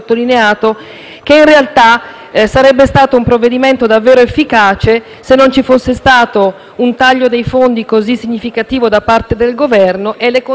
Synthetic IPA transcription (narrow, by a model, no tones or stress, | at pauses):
t̪ːolineaːt̪o | k̟einrealt̪a | saɾɛbːest̪aːt̪oumpɾovːed̪iment̪od̪avːeːɾoefːikaːt͡ʃe | senːont͡ʃifosːest̪aːt̪o | unt̪aʎːod̪ejfond̪ikozisːiɲːifikat̪iːvod̪apart̪ed̪elɡovɛrnoʔelːeko